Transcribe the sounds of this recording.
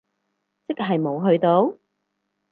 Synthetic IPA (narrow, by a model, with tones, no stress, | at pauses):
t͡sɪ˥k̚ɦɐ˨jmo˨˧wɦɵ˧ɥt̪o˨˥w